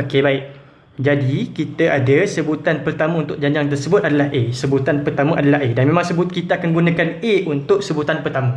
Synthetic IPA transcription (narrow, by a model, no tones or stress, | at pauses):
okebaɪʔ̚ | d͡ʒadikit̪aʔadasəbut̪anpərt̪amə̃unt̪ʊk̚d͡ʒaɲd͡ʒaŋt̪ərsəbʊt̪̚adalahʔesəbut̪anpərt̪amə̃ʔadalaɦedanmẽmãŋsəbʊt̪̚kit̪aakanɡunãkaneunt̪ʊʔ̚səbut̪anpərt̪amə̃